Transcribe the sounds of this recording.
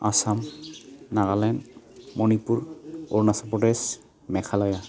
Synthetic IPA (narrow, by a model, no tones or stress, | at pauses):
a̰samnaɡalɛnmonipuɹoɹnasapɹɔdɛs | mɛkʰalɔja